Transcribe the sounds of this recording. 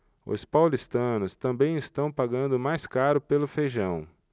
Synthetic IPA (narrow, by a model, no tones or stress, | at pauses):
ʊ̰spawlist̪ɐ̃nʊst̪ɐ̃mbẽj̃ɪst̪ɐ̃w̃paɡɐ̃nd̪ʊmajskaɾʊpelʊfeʒɐ̃w̃